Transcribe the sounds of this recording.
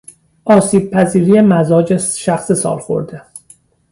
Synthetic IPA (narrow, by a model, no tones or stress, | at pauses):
ʔɒːsiːb̚pʰæziːɾiːjemæzɒːd͡ʒesʃæxsesɒ̰ːlxo̰ɾd̪e